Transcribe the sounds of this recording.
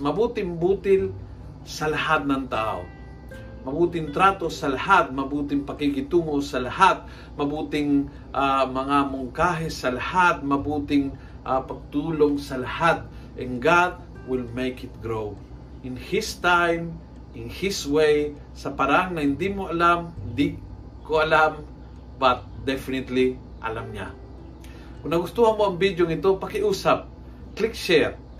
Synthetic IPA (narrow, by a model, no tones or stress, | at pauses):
mɐbuːt̪ɪŋbut̪ɪl | sɐlɐhat̪̚nɐŋt̪aʔo̰ | mɐbuːt̪ɪŋt̪ɾat̪osɐlahat̪̚mɐbuːt̪ɪŋpɐkiɡɪt̪uːŋosɐlahat̪̚ | mɐbuːt̪ɪŋ | ʔamɐŋamʊŋkaɦɛsɐlɐhat̪̚mɐbuːt̪ɪŋ | ʔapɐɡ̚t̪uːloŋsɐlɐhat̪̚ | ʔɛnɡat̪̚ | wɪlmejkɪt̪̚ɡɾow | ʔɪnhɪst̪ajm | ʔɪnhiswej | sɐpaɾaaŋnɐhɪnd̪imoʔɐlamɪnd̪i | koʔɐlam | bɐt̪̚d̪ɛfɪnɪt̪li | ʔɐ̰lamɲa̰ | kʊnɐɡʊst̪uhanmoɐŋbid̪joŋɪt̪opɐkɪʔuːsap̚ | klikʃɛt̪̚